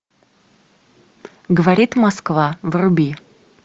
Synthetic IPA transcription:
ɡəvaɾʲit̪maskvavrubʲi

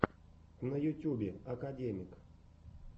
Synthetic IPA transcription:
nɐjʊtʲubʲɪɐkadʲemʲɪk

